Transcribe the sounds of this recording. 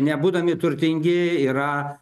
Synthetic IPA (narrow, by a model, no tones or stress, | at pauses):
nʲɛbuːd̪ɐmʲɪt̪ʊɾʲt̪ʲɪŋʲɡʲɪiːɾɐ